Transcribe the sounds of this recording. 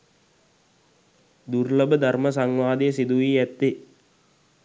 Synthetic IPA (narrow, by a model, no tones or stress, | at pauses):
d̪urləbəd̪ʱarməs̬aŋʋaːd̪ijəsid̪uʋiːæt̪ːi